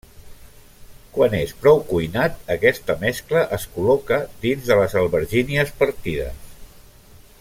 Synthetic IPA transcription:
kwanespɾɔwkujnat̪əkɛst̪əmɛskləʔəskulɔkəd̪inzðələzəlˠβəɾʒiniəspəɾt̪iðə̰s

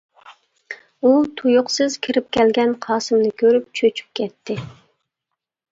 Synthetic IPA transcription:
ut̪ʰujʊqsɨzkʲʰiɾɪp̚kʲɛlɡʲɛnqʰɑːsɨmnɨkʲʰøɾyp̚t͡ʃʰøt͡ʃʰy̥p̚kʲʰɛt̪ʰːɪ

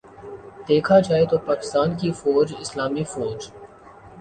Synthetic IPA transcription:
d̪eːkʰad͡ʒaːet̪opaːkɪ̥st̪aːnkifɔːd͡ʒɪslaːmifɔːɾd͡ʒ

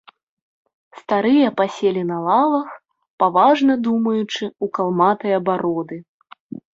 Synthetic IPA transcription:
st̪aɾɨjɐpasʲelʲinɐlˠavɐx | pavaʐnɐd̪umɐjut͡ʂɨukalˠmat̪ɐjɐbaɾɔd̪ɨ

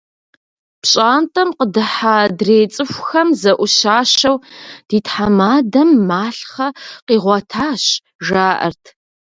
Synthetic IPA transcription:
pɕʼaːntʼɐmqədɨħaːdreːt͡sʼɨxʷxɐmzɐʔʷʊʃaːʃɐwd̥iːtħamaːdɐmːaːɬχɐqiːʁʷɔtʰaːɕ | ʒaːʔɐ̰rtʰ

